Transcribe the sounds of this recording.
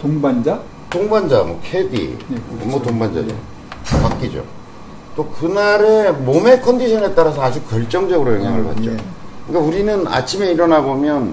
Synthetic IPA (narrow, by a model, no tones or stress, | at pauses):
toŋband͡ʑa | toŋband͡ʑamwʌ̰kʰedḭmʌtoŋband͡ʑa̰d͡ʑo̰ | pak͈̚id͡ʑo̰ | t͈okɯnaɾe̞mome̞kʰʌndiɕʰʌne̞t͈aɾas̬ʰʌad͡ʑik͈̚ːjʌɭt͡ɕ͈ʌŋd͡ʑʌɡɯɾojʌŋɦjaŋɯɭpa̰t̚t͡ɕ͈o̰ | kɯk͈auɾinɯna̰t͡ɕʰime̞iɾʌnaɡomjʌn